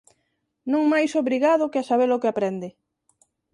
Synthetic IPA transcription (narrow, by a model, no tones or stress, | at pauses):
nõŋmajsoβɾiɣaðʊkɪasaβ̞elʊkɪapɾɛnd̪ɪ